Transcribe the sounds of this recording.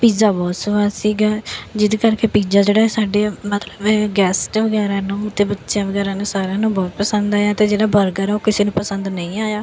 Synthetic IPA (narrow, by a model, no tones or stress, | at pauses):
piːd͡ʒaːbɔːt̪sʊʋaːsiːɡaːd͡ʒɪd̪eːkəɾkeːpiːd͡ʒaːd͡ʒeːɽaːsaːɖeːmət̪ləbɛɡɛːsʈʋəɡɛːɾãːnũːt̪eːbətːʃjãːʋəɡɛːɾãːnũːsaːɾjãːnũːbɔːt̪̚pəsənd̪aːjaːt̪eːd͡ʒeːɽaːbəɾɡaːɾaoːkɪseːnũːpəsənd̪nəĩːaːjaː